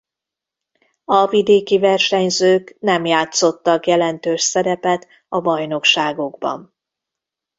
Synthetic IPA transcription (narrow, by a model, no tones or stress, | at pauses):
ɒvid̪eːkivɛrʃɛɲzøːknɛmjaːt̪so̞t̪ːɒkjɛlɛnt̪øːʃsɛɾɛpɛt̪ | ɒbɒjno̞kʃaːɡoɡbɒ̰n